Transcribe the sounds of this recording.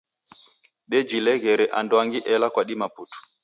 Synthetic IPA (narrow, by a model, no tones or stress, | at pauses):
ɓɛd͡ʒilɛɣɛɾɛʔa̰ndɔaŋɡiʔɛlakwaɗimaputu̥